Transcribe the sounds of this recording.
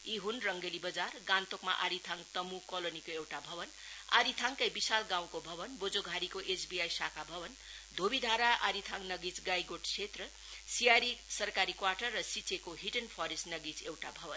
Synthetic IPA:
iɦunrʌŋɡelibʌd͡zarɡãnt̪okma̰ʔaɾit̪ʰaŋt̪ʌmukolonikoewʈabʱʌbʌn | a̰ɾit̪ʰaŋkajbisalɡãw̃kobʱʌbʌnbod͡zoɡʱaɾikoʔesbijajsakʰabʱʌbʌn | d̪ʱobid̪ʱaɾaʔaɾit̪ʰaŋnʌɡit͡sɡajɡoʈt͡sʰet̪rʌ | sijaɾisʌrkaɾikwaʈʌrːʌsit͡sekoɦiʈʌnpʰʌɾesʈnʌɡit͡sewʈa̰bʱʌbʌn

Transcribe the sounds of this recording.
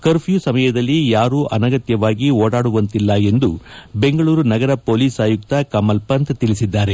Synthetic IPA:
kɐɾpʰjuːsɐmɐjɐd̪ɐlːijaːɾuːʔɐnɐɡɐt̪jɐʋaːɡioːɽaːɽuʋɐnt̪ilːɐe̞nd̪ube̞ŋɡɐɭuːɾunɐɡɐɾɐpoːliːsaːjuk̚t̪ɐkɐmɐlpɐnt̪t̪iɭisid̪ːaːɾe̞

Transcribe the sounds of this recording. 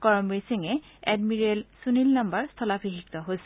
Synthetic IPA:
kɔɹɔmbɹesiŋɛɛdmiɹelsunilnambaɹst̪ʰɔlapʰiɦik̚t̪ɔɦojsɛ̥

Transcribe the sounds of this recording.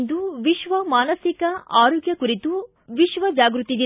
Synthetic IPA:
nd̪uʋiʃʋɐmaːnɐsikɐʔaːɾoːɡjɐkuɾit̪u | ʋiʃʋɐd͡ʒaːɡɾut̪id̪i

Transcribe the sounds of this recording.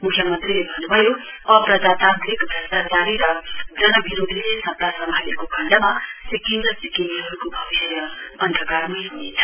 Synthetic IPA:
mukʰjʌmʌnt̪rilebʱʌnːubʱʌjo | ʌprʌd͡zat̪ant̪ɾikd̪ʱʌsakaɾiɾʌd͡zʌnʌbiɾod̪ʱilesʌp̚t̪asʌmbʱalekokʰʌɳɖamasikindʌsikiniɦʌɾukobʱʌbisjʌʌnd̪ʱʌkarmʌjɦunet͡sʰʌ̥

